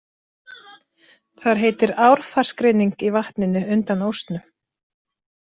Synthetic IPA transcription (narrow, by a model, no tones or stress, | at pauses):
θaɾ̥ɦeːjt̪ɪɾaːwɾ̥far̥skɾɪniŋkivaht̪nɪnʏʏnt̪anowst̪nʏ